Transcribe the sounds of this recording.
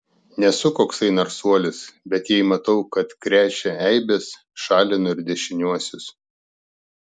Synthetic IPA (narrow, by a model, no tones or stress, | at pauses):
nʲɛsʊkoːksɐɪnɐɾsuɔlʲɪsbʲɛt̪jɛɪmɐt̪ɐʊkɐt̪kɾʲæːt͡ʃʲɛɛɪbʲɛs | ʃɑːlʲɪnʊɪɾʲd̪ʲɛʃʲɪnʲuɔsʲʊs